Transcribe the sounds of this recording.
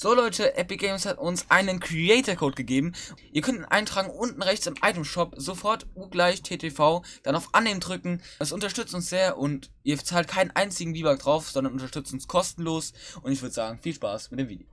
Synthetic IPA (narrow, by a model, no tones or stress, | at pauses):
z̥oːlɔʏtʰəʔɛpiɡɛɪmshatʊnsʔaɪnənkʁ̥ieɪtɐkʰoʊtɡ̥əɡeːbm̩ʔiːɐkʰœntnʔa̰ɪntʁ̥aːɡŋ̩ʔʊntn̩ʁɛçt͡sɪmʔa̰ɪtəmʃɔpz̥ofɔɐtʔuːɡlaɪçtʰeːtʰefaʊd̥anaʊfʔanːeːməndʁʏkŋ̩ɛsʊntɐʃtʏt͡stʊnsz̥eːɐʔʊntʔiːɐbt͡saːlt̚kʰaɪnənʔa̰ɪnt͡sɪɡŋ̩viːbak̚d̥ʁaʊfz̥ɔndɐnʊntɐʃtʏt͡stʊnskʰɔstn̩loːsʔʊntɪçv̥ʏɐdəzaːɡŋ̩fiːlʃpa̰ːsmɪt̚deːmvḭːdj